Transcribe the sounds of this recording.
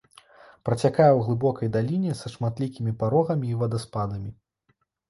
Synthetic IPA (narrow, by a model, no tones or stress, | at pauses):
pɾɐt͡sʲakajɛwɣlˠɨbɔkɐjd̪alʲinʲɛsɐʂmat̪lʲikʲimʲipaɾɔɣɐmʲiːvɐd̪ɐspad̪ɐmʲi